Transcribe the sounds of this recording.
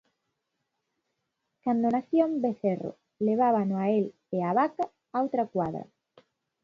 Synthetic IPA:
kand̪onaθjõmbeθero̰ | leβ̞aβanoael | eaβaka | awt̪ɾakwaðɾɐ̰

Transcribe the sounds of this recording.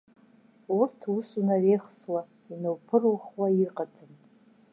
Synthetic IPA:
urtʰusunarejχswa | inowpʰɨrwuχwaiqʼad͡zʼɨm

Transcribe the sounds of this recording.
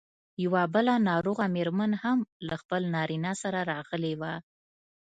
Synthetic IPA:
jawabəlanɑɾoɣameɾmənhamlaxpəlnɑɾinɑsaɾaɾɑɣəlewa

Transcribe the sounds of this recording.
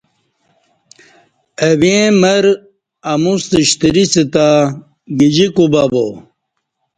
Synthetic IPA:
ɐβẽmɐɾ | ɐmust̪iɕt̪iɾisit̪a | ɡid͡ʑikubabo

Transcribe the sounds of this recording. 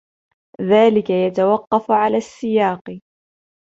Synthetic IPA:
ðaːlɪkajat̪awɑqːɑfʕalaːsːɪjɑːq

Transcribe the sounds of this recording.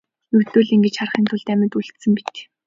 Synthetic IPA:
jɵwt̪oːɮiŋɡet͡ɕχarχiːnt̪ʰʊɮt̪æmʲɪ̆t̪uɮt̪sɘ̆mpit̪ː

